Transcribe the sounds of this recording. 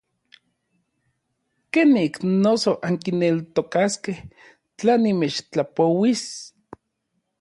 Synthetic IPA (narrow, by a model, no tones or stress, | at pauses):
keniknosoʔaŋkinelt̪okaskeh | t͡ɬanimet͡ʃt͡ɬapowis